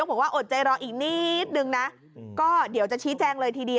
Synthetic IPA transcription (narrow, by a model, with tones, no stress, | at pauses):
k̚aː˨˩˦waː˥˩ʔo˨˩t̪̚t͡ɕa˧jɾɔː˧ʔiː˨˩k̚niː˥˩t̪̚nɯ˧ŋna˦˥ | kɔː˥˩di˩˦wt͡ɕa˨˩t͡ɕʰiː˦˥t͡ɕɛː˧ŋlɤː˧jt̪ʰiː˧di˧ə